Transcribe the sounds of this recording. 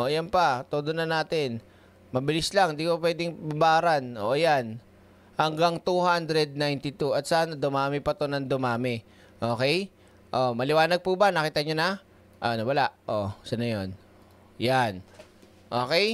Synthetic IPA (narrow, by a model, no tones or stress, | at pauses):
ʔoːjanpɐt̪oːd̪onɐnaːt̪ɪn | mɐbɪlɪslaŋd̪iːkopwɛːd̪ɪŋbabaːɾɐnʔoʔjan | hɐŋɡaŋt̪uhand̪ɾɛd̪̚najnt̪ɪt̪uʔɐt̪̚saʔanɐd̪ʊmaːmɪpɐt̪onɐŋd̪ʊmaːmɪ | ʔo̞ːkɛj | ʔo̞mɐlɪwaːnɐɡ̚pubanɐkiːt̪ɐɲonɐ | ʔo̰ʔɐnowɐlaʔʔosɐnɐjon | jan | ʔoːkɛj